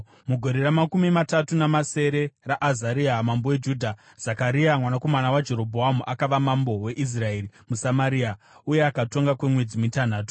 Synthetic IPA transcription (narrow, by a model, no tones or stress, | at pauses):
muɡʱo̞ɾe̞ɾamakumimatatunamase̞ɾe̞raʔazaɾiamambowed͡ʒudʱa | z̥akaɾiamwanako̞manawad͡ʒe̞ɾo̞bʱoɦamuʔakaʋamambo̞we̞ʔis̬rae̞rimusamaɾiːa | uje̞akato̞ŋɡakwe̞mwe̞d͡zimitanaːto